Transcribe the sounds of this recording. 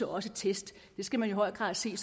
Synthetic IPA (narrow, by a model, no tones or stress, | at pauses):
ɒɒ̽sət͡sʰesd̥ | d̥e̝sɡ̥æmænjoɦɒ̽ɪ̰ɡ̥ʁɑ̰̈ðˠse̝̰ːs